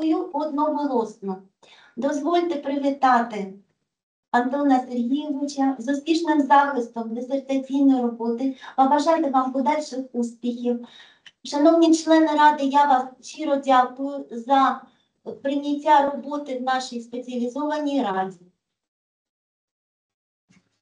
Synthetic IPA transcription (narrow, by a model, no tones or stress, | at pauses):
juɔd̪nɔɦɔlˠɔsnɔ | d̪ɔzʋɔlʲt̪epɾɪʋʲit̪ɑt̪ɪ | ɐnt̪ɔnɐserɦʲijɛʋɪt͡ʃɐzɔspʲiʒnɪmzɑxɪst̪ɔmd̪esert̪ɐt͡sʲijnɔjrɔbɔt̪ɪɐbɐʒɑjt̪eʋɑmpɔd̪ɑlʲʃɪxuspʲixʲiw | ʃɐnɔwnʲit͡ʃlˠɛnɪɾɑd̪ɪjɑʋɑst͡ʃiɾɔdʲɑkʊjʊzɐ | pɾɪnʲɐtʲːaɾɔbɔt̪ɪwnɑʃijspet͡sʲiɐlʲizɔʋɐnʲijɾɑdʲi